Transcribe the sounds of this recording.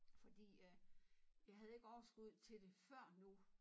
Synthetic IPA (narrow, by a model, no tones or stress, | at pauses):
fɒ̽d̥ḭː | jɑ̈ɪɦæð̞̩ˠe̝ɡ̥əɒʊɐsɡ̥uð̞̰ˠt͡sʰe̝d̥e̝fɶɐ̰nu